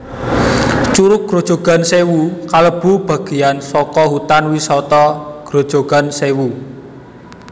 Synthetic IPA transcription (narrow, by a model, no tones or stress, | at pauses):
t͡ʃuɾʊk̚ɡ̥ɾo̤d̥ʒ̥o̤ɡ̥a̤nsewukaləb̥ṳb̥ä̤ɡ̥i̤jansɔkɔɦut̪anwisɔt̪ɔɡ̥ɾod̥ʒ̥o̤ɡ̥a̤nsewu